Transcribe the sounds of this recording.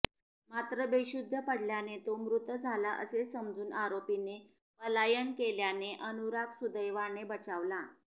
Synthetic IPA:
mat̪ɾəbeɕud̪ʱːəpəɽljanet̪omɾut̪d͡zʱalaʔə̰sesəmd͡zuːnaɾopine | pəlajənkeljaneʔənuɾaksud̪əjʋaɳebət͡ɕaʋlã

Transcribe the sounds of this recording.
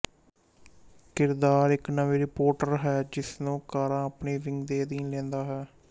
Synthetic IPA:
kɪɾd̪aːɾɪknəʋeːɾɪpoːɾʈəɾɦɛːd͡ʒɪsnũːkaːɾãːəpneːɾɪ̃ŋɡd̪eːd̪iːnlɛ̃ːnd̪aːɦɛː

